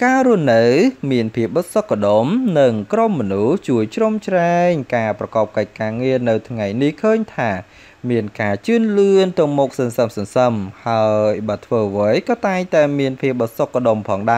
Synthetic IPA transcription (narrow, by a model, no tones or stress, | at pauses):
kaːɾuəhnɨwmiənpʰiəp̚ɓɑsokːaɗomnɨŋkromːɔnuht͡ɕuəjt͡ɕromt͡ɕraɛŋkaːprɑkɑːp̚kəc̚kaːŋiənɨwt̪ʰŋajnihkʰəːɲt̪ʰaː | miənkaːt͡ɕɨənlɨənt̪ɨ̆əmɔk̚sənsəmsənsəmhaəjɓaːt̪ʰʋəːʋəjkɑːt̪aɛŋt̪aɛmiənpʰiəp̚ɓɑsokːaɗompʰɑːŋɗaɛ